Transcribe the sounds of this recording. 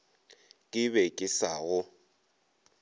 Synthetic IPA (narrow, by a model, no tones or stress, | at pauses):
kʼɪbɛkʼɪsaɣʊ